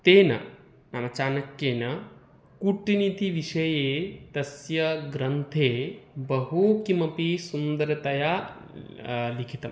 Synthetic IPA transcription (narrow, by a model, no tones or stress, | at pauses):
t̪eːnɐ̰ | nɐmɐt͡ʃaːnɐkjeːnɐ | kuʈːinit̪iʋiʃɐjeːt̪ɐsjɐɡɾɐnt̪ʰeːbɐɦukimɐpisund̪ɐɾɐt̪ɐjaː | likʰit̪ɐm